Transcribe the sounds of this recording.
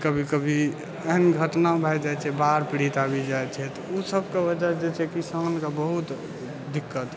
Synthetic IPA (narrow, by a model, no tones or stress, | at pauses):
kəbʱikəbʱi | əɦnɡʱəʈnabʱajd͡ʒajt͡ʃʰɛbaɾpiɽit̪abid͡ʒajt͡ʃʰɛt̪ɔusəbʱkebəd͡ʒaɾd͡ʒɛt͡ʃʰɛkisankebəɦut̪ | d̪ikːət̪